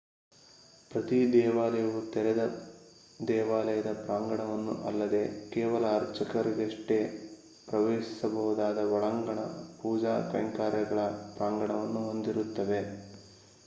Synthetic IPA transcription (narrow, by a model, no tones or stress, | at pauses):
pɾɐt̪id̪ɛːʋaːlɐjɐʋut̪ɛɾɛd̪ɐ | d̪ɛːʋaːlɐjɐd̪ɐpɾaːŋɡɐɳɐʋɐnːṵʔɐlːɐd̪e̞kɛːʋɐlɐːɾt͡ʃɐkɐɾiɡeʂʈe | pɾɐʋeːʃi̥sɐbɐɦud̪aːd̪ɐʋɔɭɐŋɡɐɳɐ̰puːd͡ʒaːk̪ɐ̰jŋkaːɾjɐɡɐɭɐpɾaːŋɡɐɳɐʋɐnːuɦond̪iɾut̪ːɐʋe̞